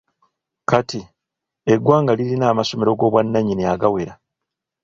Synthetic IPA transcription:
kati | e̞ɡwaːŋɡalilinaːmaso̞me̞ɾo̞ɡo̞ːβwanːaɲineaɡawe̞ɾa

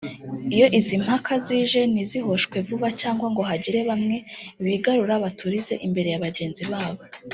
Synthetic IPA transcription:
ijo̞ʔizim̥hakʰaziːʒe̞niziɦo̞ʃkwe̞vuβacaːŋɡwaŋɡo̞ɦaɟiɾe̞βamŋe̞βiɡaɾuɾaβatʰuɾize̞ʔimbe̞ɾe̞jaβaɟe̞ːnziβaːβo̞

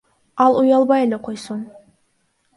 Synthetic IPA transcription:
ɑlˠujɑlˠbɑjele̞qʰo̞jsun

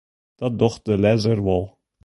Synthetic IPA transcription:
d̥ɑt̚dɔχt̚dəlɛzərʋɔlˠ

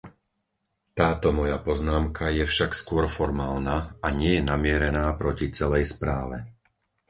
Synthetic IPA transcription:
t̪aːt̪ɔmɔjapɔznaːmkʰajɛfʃakskʊɔɾfɔɾmaːlnaaɲɪɛjɛnamɪɛɾɛnaːpɾɔcit͡sɛlɛjspɾaːʋɛ̰

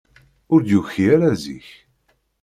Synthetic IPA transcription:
ʊɾd̪juçiaɾæzḭç

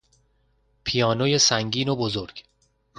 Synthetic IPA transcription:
pʰijɒːnojesæŋɟiːnobozoɾɡ̥

